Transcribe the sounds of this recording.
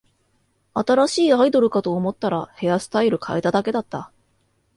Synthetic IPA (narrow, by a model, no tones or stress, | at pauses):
at̪aɾaɕiːaid̪o̞ɾɯ̟kat̪o̞ːmo̞t̪ːaɾahe̞asɨ̥t̪aiɾɯ̟kʰaet̪ad̪ake̞d̪at̪ːa